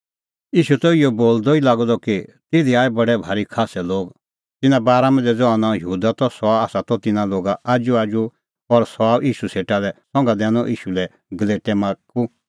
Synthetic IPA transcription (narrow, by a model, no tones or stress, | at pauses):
jiːʃut̪ɔijɔboːld̪ɔilaːɡɔd̪ɔkit̪ɪd̪iaːɛbɐɖɛbʱaːɾikʰaːsɛloːɡ | t̪ɪnãbaːɾamɛ̃nd͡zɛd͡zɔanɔ̃jɐɦuːd̪at̪ɔsɔaːsat̪ɔt̪ɪnãloːɡaʔaːd͡ʒuaːd͡ʒu | ɔɾsɔaːbʔiːʃuseːʈalɛsɔ̃ŋɡad̪ɛːnɔʔiːʃulɛ | ɡɐleːʈɛmãːku